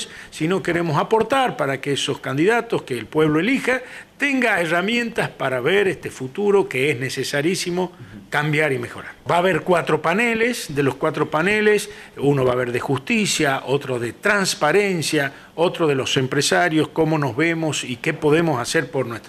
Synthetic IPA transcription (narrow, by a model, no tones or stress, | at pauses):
ssino̞ke̞ɾemo̞sapo̞ɾt̪aɾpaɾakeeso̞skand̪iðat̪o̞skeːlpwe̞β̞loelixat̪eŋɡaeramjẽ̞nt̪aspaɾaβeɾest̪efut̪uɾo̞keeznesesaɾjisimo̞kambjaɾimexo̞ɾaɾbaːβe̞ɾkwat̪ɾo̞panelesd̪elo̞skwat̪ɾo̞paneles | uno̞βaːβ̞e̞ɾðexust̪isjaʔot̪ɾoðe̞t̪ɾanspaɾensja | o̞t̪ɾo̞ð̞e̞lo̞se̞mpɾesaɾjo̞sko̞mo̞no̞zβemo̞sikepo̞ðe̞mo̞saseɾpo̞ɾnwest̪